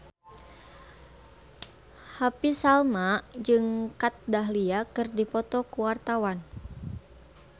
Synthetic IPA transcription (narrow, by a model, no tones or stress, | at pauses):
hapisalmad͡ʒɨŋkat̪̚daɦliakɨrdipɔt̪ɔkuwart̪awan